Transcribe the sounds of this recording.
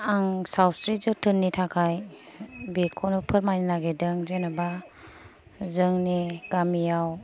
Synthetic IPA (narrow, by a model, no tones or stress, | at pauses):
aŋsawsɾizɯtʰɯnːitʰakʰaj | bekʰɔnɔpʰɯɾmajninaɡedɯŋzenaba | zɯŋniɡamijaw